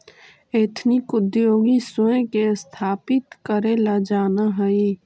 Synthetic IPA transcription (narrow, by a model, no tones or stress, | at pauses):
et̪ʰnikʊd̪joːɡisʊẽkest̪ʰaːpɪt̪kəɾelad͡ʒaːnaɦəi